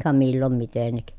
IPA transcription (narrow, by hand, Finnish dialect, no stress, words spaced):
kɑ milːom mitenːik